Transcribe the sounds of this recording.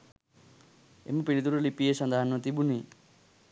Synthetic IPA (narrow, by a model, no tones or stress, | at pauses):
ḛmupiɾit̪uɾolipiesʌnd̪ʱaɦanʌt̪ibuni